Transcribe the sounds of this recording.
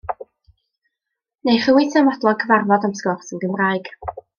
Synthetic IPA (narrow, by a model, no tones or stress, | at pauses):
nejχəwɪtʰəmɔdlˠɔkʰəvarvɔdamskɔrsənɡəmraːɨɡ̥